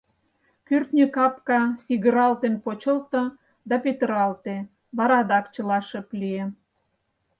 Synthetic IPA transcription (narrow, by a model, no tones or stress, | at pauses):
kyrt̪nʲykɑpkɑsiɣə̆ɾɑlt̪enpot͡ɕə̆lt̪ŏ | d̪ɑpet̪əɾɑlt̪e | βɑɾɑd̪ɑkt͡ɕə̆lɑʃə̆plie